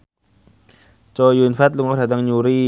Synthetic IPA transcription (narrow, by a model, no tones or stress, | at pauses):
t͡ɕɔːjunfat̪̚luŋat̪ʰad̪aŋɲuɾiː